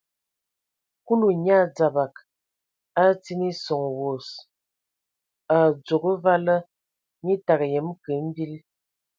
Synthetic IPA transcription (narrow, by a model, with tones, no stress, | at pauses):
ku˦lu˨ɲa˦˨d͡za˨ba˨k | a˦ti˦ni˦sɔ˨ŋwo˨s | a˨d͡zo˨ɡə˦va˦lə˦ | ɲi˦ta˨kjɛ˨˦mkə˨˦m̩˦bi˦l